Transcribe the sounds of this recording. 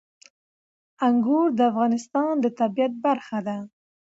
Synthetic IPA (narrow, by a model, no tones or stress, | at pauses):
aŋɡuɾd̪əafɣɑnɪst̪ɑnd̪ət̪abijat̪̚baɾxad̪a